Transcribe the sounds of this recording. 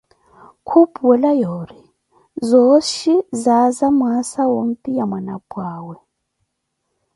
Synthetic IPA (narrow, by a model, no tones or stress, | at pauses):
kʰupʼuwɛlajoːɾi | zoʃizazamwasawoŋ̩tʼijamwanapʼwaːwɛ